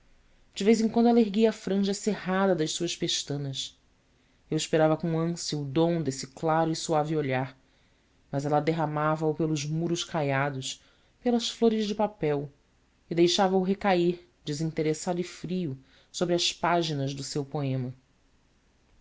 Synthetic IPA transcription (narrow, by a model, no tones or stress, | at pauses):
d͡ʒɪvejzẽkwɐ̃nd̪aleɾɡiɐːfɾɐ̃ʒɐseɦad̪ɐd̪ɐʃsuɐʃpeʃt̪ɐ̃nɐs | ewiʃpeɾavɐkõɐ̃siuud̪õw̃d̪esɪklaɾʊisuavɪoʎaɾ | mɐzɛlɐd̪eɦamavɐupelʊzmuɾʊʃkajad̪ʊs | pelɐsfloɾɪzd͡ʒɪpapɛw | ɪd̪ejʃavɐʊɦekaiɾ | d͡ʒɪzĩt̪eɾesad̪ʊɪfɾiʊ | sobɾɪɐspaʒinɐzd̪ʊsewpoẽmɐ